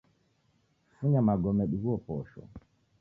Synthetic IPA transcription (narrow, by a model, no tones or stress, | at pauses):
fuɲamaɡɔmɛɗuɣuɔpɔʃɔ̰